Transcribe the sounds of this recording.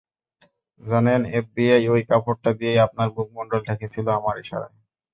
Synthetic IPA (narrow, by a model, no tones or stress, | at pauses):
d͡ʑanenefbiajojkapoʈ̚ʈad̪ijejap̚naɾbuk̚moɳɖolʈ̪ʰekʰet͡ɕʰiloamaɾiʃa̰ɾa̰j